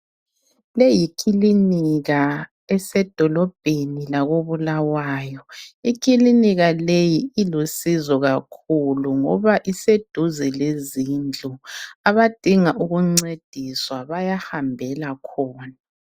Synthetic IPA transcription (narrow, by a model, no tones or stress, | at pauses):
lejikʰiliniɣa | ɛsɛd̥ʱɔlɔb̥ʱenilaɣoβulawaːjɔik̬ʰiliniɣalejiilusizɔɣakʰuluŋɔ̰βaʔised̥ʱuzilezind͡ɮʱuaβad̥ʱiŋaʔuɣuŋ͡ǀed̥ʱiswaβajahambʱɛlakʰɔːna